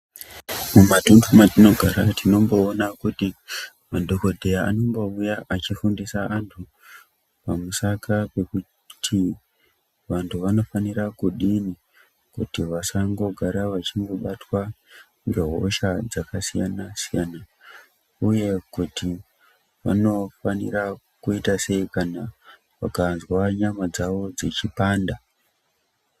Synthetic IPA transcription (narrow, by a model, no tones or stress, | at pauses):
mumatuntʰumatino̞ɡʱaɾatino̞mbo̞ːnakuti | madʱo̞ko̞dʱe̞jaa̰no̞mbo̞ujaʔat͡ʃifundisaantʰu | pamusakape̞ku | tʰi | ʋantʰuʋano̞faniɾakuɗini | kṵtiʋasaŋɡo̞ɡʱaɾaʋat͡ʃiŋɡo̞ɓatwa | roɦo̰ʃad͡zakasijanasijana | uje̞kuti | ʋa̰no̞fanḭra | kuitase̞ikana | ʋa̰kanzwaɲamad͡zaʋo̞d͡zit͡ʃipaːnda